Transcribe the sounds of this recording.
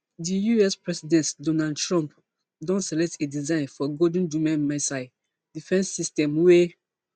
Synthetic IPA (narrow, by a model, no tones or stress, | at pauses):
dijuɛspɹɛsidɛ̃ntdɔ̃nadtɹɔ̃mp | dɔ̃nsɛlɛk̚tedizãɪ̃nfɔɡod̃n̩d͡ʒũmɛ̃nmasaɪ | difɛ̃nsːistɛ̃mwe